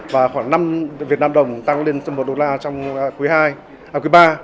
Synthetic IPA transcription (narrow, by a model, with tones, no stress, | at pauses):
vaː˨˩xwaː˧˩ŋna˧mvi˨˩ət̚naː˧mɗə˨˩wŋ͡mt̪a˧ŋle˧nsə˧mo˨˩t̚ɗo˨˧˩laː˧t͡ɕɔ˧wŋ͡mku˨˦jhaː˧j | aː˧˩kwɓaː˧